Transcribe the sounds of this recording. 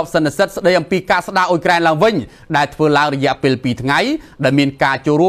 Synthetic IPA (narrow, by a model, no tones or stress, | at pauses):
p̚sɑnt̪esət̪̚sɗəjʔɑmpiːkaːsɗaːʔoːjkraɛnlaəŋʋɨɲ | ɗaɛlt̪ʰʋəːlaəŋrɔjɛ̆əʔpeːlpiːt̪ʰŋajɗaɛlmiənkaːt͡ɕoːlruə